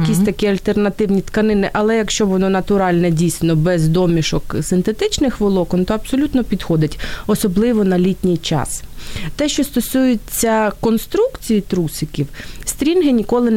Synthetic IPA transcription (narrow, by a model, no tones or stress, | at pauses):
kʲisʲt̪ɐkiɐlʲt̪ernɐt̪ɪwnʲit̪kɐnɪnɪʔɐlˠɛjɐkʃt͡ʃɔʋɔnɔnɐt̪ʊɾɑlʲnɛdʲijsʲnɔbɛzd̪ɔmʲiʃɔksɪnt̪et̪ɪt͡ʃnɪxʋɪlˠɔkɔnt̪ɔɐbsɔlʲut̪nɔpʲid̪xɔd̪ɪtʲɔsɔblˠɪʋɔnɐlʲitʲnʲɪjt͡ʃɑ̰st̪ɛʃt͡ʃɔst̪ɔsujʊt͡sʲːɐkɔnst̪ɾukt͡sʲijit̪ɾusɪkʲiwsʲt̪ʲɾʲinɦɪnʲikɔlˠɪn